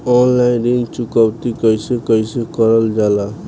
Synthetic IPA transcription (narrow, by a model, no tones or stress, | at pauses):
ɔnlajnɾint͡ʃukawt̪ikʌjsekʌjsekʌɾʌld͡ʒala